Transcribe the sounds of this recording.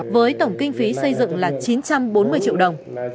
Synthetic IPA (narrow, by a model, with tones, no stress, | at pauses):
vəː˨˦jt̪ə˧˩wŋ͡mkï˧ŋ̟fi˨˦sə˧jzɨ̰˧˨ŋlaː˨˩t͡ɕi˨˦nt͡ɕa˧mɓo˨˦nmɨ˧əjt͡ɕḭ˧˨wɗə˨˩wŋ͡m